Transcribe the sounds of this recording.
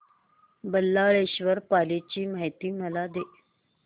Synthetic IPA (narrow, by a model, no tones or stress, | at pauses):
bəlːaɭeɕʋəɾpalet͡ɕiːmaɦjt̪iːməlad̪e